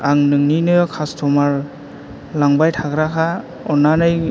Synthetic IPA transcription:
aŋnɯŋninɯkʰastʰɔmaɾ | laŋbajtʰaɡɾakʰa | ɔnanɯj

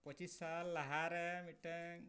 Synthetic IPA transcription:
pɔt͡ʃisːalːaɦaɾɛmiʈɛŋ

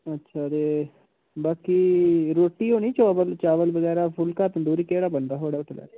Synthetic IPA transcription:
ətːʃʰaːɾeː | baːkiːɾoːʈːiːɦoːniːt͡ʃaːʋəlt͡ʃaːʋəlbəɡɛːɾaːpʰʊlkaːt̪d̪uːɾikeːɽaːbənd̪aːɦoːɽaːʈ̪lɛ̰ː

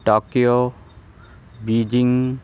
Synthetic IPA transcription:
ʈokio | bid͡ʒiŋ

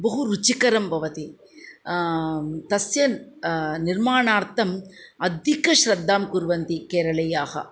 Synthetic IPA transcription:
bɐɦuɾut͡ʃikɐɾɐmbʱɐʋɐt̪i | t̪ɐsjɐ | niɾmaːɳaːɾt̪ʰɐmɐd̪ʱikɐʃɾɐd̪ːaːmkuɾʋɐnt̪ikeːɾɐɭɐjaːhɐ̰

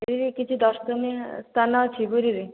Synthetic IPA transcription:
eɾiɾikit͡ʃʰid̪ɔst̪ɔnest̪ʰanat͡ʃʰiɡuɾiɾi

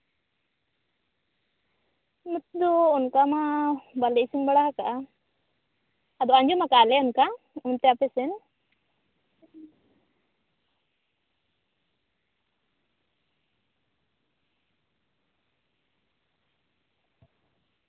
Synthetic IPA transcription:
mət̪̚d̪ɔɔnkamabalɛʔsiŋbaɽaakaʔa | ad̪ɔaɲd͡ʒɔmakalɛɔnka | unt̪ɛapɛsɛn

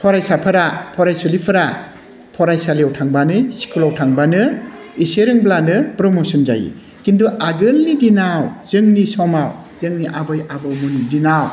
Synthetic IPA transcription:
pʰɔɾajsapʰɯɾapʰɔɾajsɔlipʰɯɾa | pʰɔɾajsaliawtʰaŋbanɯsi̥kʰulawtʰaŋbanɯ | iseɾɯŋblanɯpɾɔmɔsɔnza̰jḭ | kinduʔaɡɯlnidinawz̥ɯŋnisɔmaw | z̥ɯŋniʔabɔjabɔwmɔnidinaw

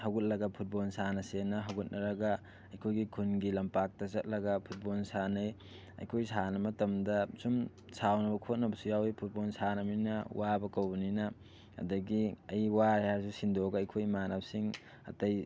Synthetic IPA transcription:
hɐwɡut̚lɐɡɐpʰut̚bolsanɐsenːɐɦɐwɡut̚nɐɾɐɡɐ | ɐjkʰojɡikʰunɡilɐmpak̚tɐzɐt̚lɐɡɐpʰut̚bolsanɐj | ɐ̰jkʰojsanɐmɐtɐmdɐsum | sawnɐbɐkʰot̚nɐbɐsujawipʰut̚bolsanɐminɐwabɐkɐwbɐninɐ | ɐ̰dɐɡiɐjwajas̬usindoɡɐɐjkʰojmanap̚siŋ | ɐ̰tɐj

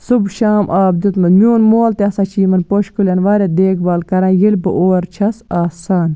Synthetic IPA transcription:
subʃaːmʔaːbd̪ut̪mɐnmʲjoːnmoːlt̪eɐsat͡ʃʰiːmɐnpoʃkulʲɐnʋaːɾʲɐd̪eːkbɐlkɐɾãːjilʲbɨʔoːɾt͡ʃʰɐsaːsaːn

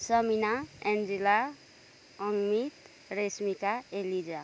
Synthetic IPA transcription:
sʌminaend͡zila | ʌŋmit̪ | resmikaelid͡za

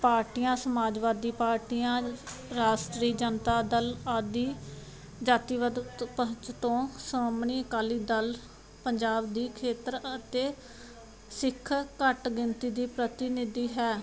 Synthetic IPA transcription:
paːɾʈijãːsəmaːd͡ʒʋaːd̪iːpaːɾʈiːãːɾaːʃʈɾiːd͡ʒənt̪aːd̪əlaːd̪iː | d͡ʒaːt̪iːʋəd̪pəɦt͡ʃt̪õːsaːmɳiːəkaːliːd̪əl | pəɲd͡ʒaːbd̪iːkʰeːt̪ɾət̪eː | sɪkʰːkəʈɡɪnt̪iːd̪iːpɾət̪ɪnɪd̪iːɦɛː

